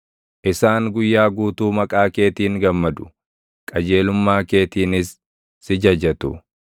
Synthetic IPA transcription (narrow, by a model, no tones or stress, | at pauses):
ʔɪsaːŋɡʊjːaːɡuːt̪uːmɐkʼaːke̞ːt̪iːŋɡɐmːɐd̪ʊ̥ | kʼɐd͡ʒe̞ːlʊmːaːke̞ːt̪iːnɪsː | ɪd͡ʒɐd͡ʒɐt̪ʊ